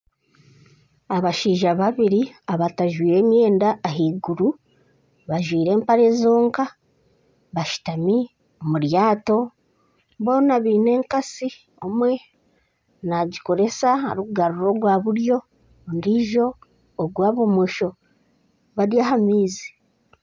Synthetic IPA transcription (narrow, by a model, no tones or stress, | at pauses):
aβaʃiːʒaβaβiɾiaβataʒwiːɾe̞ːmje̞ːndaːɦiːɡuɾu | βaʒwiːɾe̞ːmpaɾe̞zo̞ːŋka | βaʃi̥tami | omuɾjaːto̞ | βo̞ːnaβiːne̞ːŋkasi | omwe̞ | naɟiko̞ɾe̞saa̰ɾukuɡaɾuɾo̞ːɡɡwaβuɾjo̞ | ndiʒo̞ː | ɡwaːβumuʃo̞ | βadjahamiːze̥